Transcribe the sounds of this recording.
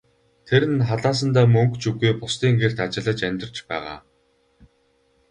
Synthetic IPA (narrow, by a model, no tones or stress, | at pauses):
t̪ʰeɾɘ̆nχaɮaːs̬ə̆nt̪aːmɵŋkt͡ɕuɣujpʊst̪iːŋɡer̥t̪at͡ɕɪ̆ɮə̆t͡ɕæmʲt̪ɪ̆r̥t͡ɕpæ̰ːʁa̰ː